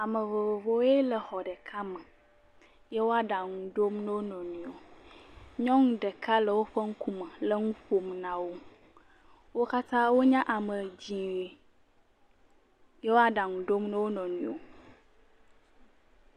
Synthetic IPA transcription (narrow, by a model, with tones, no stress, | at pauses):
a˨mə˨vo˨vo˨vo˦e˦lə˨xɔ˨ɖə˨kʰa˦mə̃˨ | je˦wo˦a˦ɖa˨ŋũ˨ɖo˦mnə̃˦wo˦nɔ̃˨nũ˨o˨ | ɲɔ̃˦ŋũ˦ɖə˨kʰa˦lə˨wo˦ɸə˦ŋ̩˦ku˦mə˨lə˦ŋũ˦ɸo˨mnã˨wo˦ | wo˦ka˦t̪ã˦wo˦ɲã˦ʔa˨mə˨d͡ʑi˨we˦ | je˦wo˦a˨ɖa˨ŋũ˨ɖo˦mnə̃˦wo˦nɔ̃˨nũ˨o˨